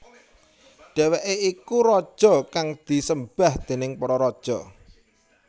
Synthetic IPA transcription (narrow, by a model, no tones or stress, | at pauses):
ɖ̥ɛ̤weʔeikuɾɔd̥ʒ̥ɔ̤kaŋd̪̥i̤səmb̥a̤hd̪̥e̤nɪŋpɔɾɔɾɔd̥ʒ̥ɔ